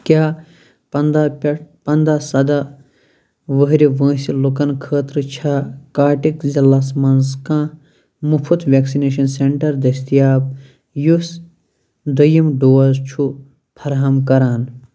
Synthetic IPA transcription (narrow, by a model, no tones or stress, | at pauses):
kʲjaː | pɐnd̪apɐnd̪aːsɐd̪a | ʋəɦɾiʋə̃ːsilukɐnkʰəːt̪ɾɨt͡ʃʰakaːʈikzilɐsmɐnskãː | mupʰut̪ʰʋʲeksineːʃɐnseɳʈɐɾd̪ɐsʲt̪ijaːp̚ | jus | d̪ɐjimɖoːɐzt͡ʃʰu | pʰɐɾɦɐmkɐɾaːn